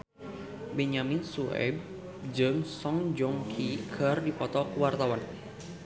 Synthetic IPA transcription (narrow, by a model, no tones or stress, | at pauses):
bɛɲaminsuɛ̰b̚ | d͡ʒɨŋsɔŋd͡ʒɔŋkʰikʰərdipɔt̪ɔkəwart̪awan